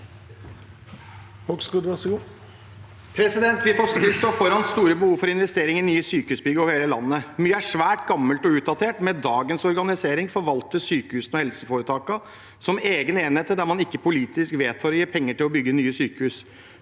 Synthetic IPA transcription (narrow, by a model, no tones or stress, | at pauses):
hɔkskuːd̪ʋæsɔɡuː | pʰɾɛsɪd̪ɛnt̪ʋɪfɔsɪst̪oːfɔɾɑnst̪uːɾəbəhuːʋfɔɾɪnʋɛst̪eːɾɪŋɪnyːəsyːkəʉsbʏɡəɑʋheːləlɑ̰nːəmyːəæʂʋæːʈɡɑmːəlt̪ɔʉːt̪̚d̪ɑt̪ʰeːʈmɛd̪ɑːɡənsɔɾɡɑnɪseːɾɪŋfɔɾʋɑlt̪əsyːkəhʉːsn̩ɔhɛlsəfoːɾət̪ʰɑːkɑ | sɔmeːɡəneːnheːt̪əd̪æmɑnɪkːəpʰʊliːt̪ɪskʋeːt̪ʰhɑːɾɔjiːɾpʰɛŋːəʈɪlɔbʏɡːənyːəsyːkəhʉs